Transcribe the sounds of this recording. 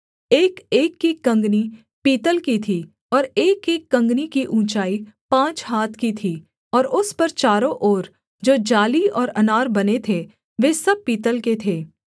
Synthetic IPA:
eːkeːkːikɐ̃ŋɡni | piːt̪əlkit̪ʰi | ɔːɾeːkeːkːɐ̃ŋɡnikiʔũːt͡ʃaːipãːt͡ʃɦaːt̪ʰkit̪ʰiː | ɔːɾʊspɐɾt͡ʃaːɾõʔoːɾ | d͡ʒoːd͡ʒaːliɔːɾɐnaːɾbɐnet̪ʰe | ʋeːsɐb̚piːt̪əlket̪ʰeː

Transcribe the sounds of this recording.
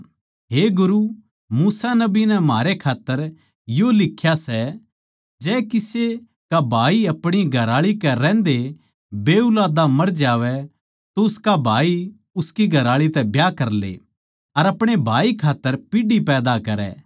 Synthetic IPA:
ɦeːɡʊɾu | muːsanɐbinɛmaːɾekʰaːt̪ːəɾ | jolɪkʰːjasɛ | d͡ʒɛːkɪse | kabʱaːiɐpɽ̃iɡʱɐɾaːɭikɛɾɛ̃ːnd̪e | beːulaːd̪amɐɾd͡ʒaːʋɛ | t̪oʊskabʱaːi | ʊskiɡʱɐɾaːɭit̪ɛbjaːkɐɾlḛ | ɐɾɐpɽ̃ebʱaːikʰaːt̪ːəɾpɪɖipɛːd̪akɐɾɛ̰ː

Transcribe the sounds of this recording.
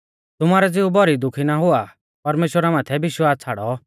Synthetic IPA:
t̪ʊmaːɾɛd͡zɪubɔɾid̪ʊkʰinaɦʊa | pɐɾmeːʃwəɾamaːt̪ʰɛbɪʃʋaːs̚t͡sʰaːɽɔ

